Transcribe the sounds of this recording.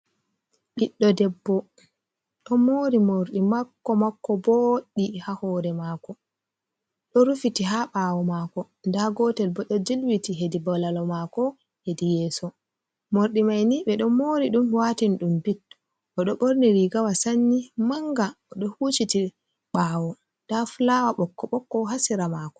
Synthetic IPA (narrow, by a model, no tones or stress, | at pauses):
ɓiɗːɔdɛbːɔ | ɗɔmoːɾimoɾɗimakːɔmakːɔboɗːihahɔːɾɛmakɔ | ɗɔɾufitiɦaɓawɔmakɔ | ndaɡɔtɛlbɔɗɔd͡ʒilwitiɦedibɔlalɔmakɔ | hedijɛːsɔ | moɾɗimajniɓɛɗɔmoɾiɗumwatinɗumbitːɔ | ʔɔɗɔɓoɾniɾiɡawasanːimaŋɡaɔɗɔhuːt͡ʃiti | ɓawɔ | d̥aflawaɓɔkːɔɓɔkːɔɦasiɾamakɔ̥